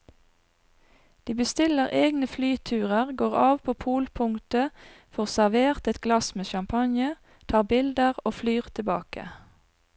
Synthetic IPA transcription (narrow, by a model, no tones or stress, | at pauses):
d̪̥iːbəst̪ɪləʁʔeːɡnəflyːt̪ʰʉːʁəʁɡoːʁɑːʋpʰoːpʰuːlpʰʊŋt̪ə | fɔʁsæʁʋeːʁt̪ɛt̪ɡ̥lɑsmeːʃɑmpʰɑnjə | t̪ʰɑːʁbɪld̪əʁoːflyːʁt̪ʰɪbɑːkə̰